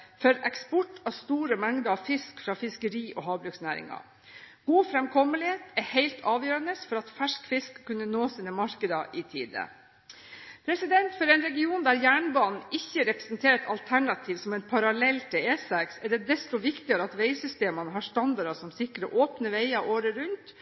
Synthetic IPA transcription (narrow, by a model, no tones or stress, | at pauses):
fœɾɛkspɔʈːɑst̪uːɾəmɛŋd̪əɑʋfɪskfɾɑːfɪskəɾiːʔɔɦɑːbɾʉksnæːɾɪ̰ŋɑ̰ | ɡ̥uːfɾɛmkʰɔmːəlɪheːt̪ɛheɪlt̪ʰɑːʋjøːɾənəsfɔɾɑt̪fæʂkfɪskʰːʉnːənoːsiːnəmɑɾkəd̪ɑʔɪt̪ʰḭːd̪ə̰ | pʰɾɛsɪd̪ɛnt̪fɔɾɛnɾɛɡɪuːnd̪æɾjæːɳbɑːnn̩ɪçːəɾɛpɾə̥snt̪ʰeːɾɛt̪ɑlt̪ʰæɳɑt̪ʰiːʋsɔmɛnpʰɑɾɑlɛlːt̪ʰɪleːsɛksɛɖɛd̪ɛst̪ʊʋɪkt̪ɪɡəɾəɑt̪ʋeɪsʏst̪eːmənəɦɑʂt̪ɑnd̪ɑɾɑsɔmsɪkːɾəʔoːpnəʋeɪɑʔoːɾəɾʉnt̪